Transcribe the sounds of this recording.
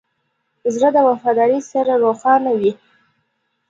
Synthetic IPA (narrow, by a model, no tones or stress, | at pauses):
zɾad̪əwafɑd̪ɑɾisaɾaɾoxɑnawi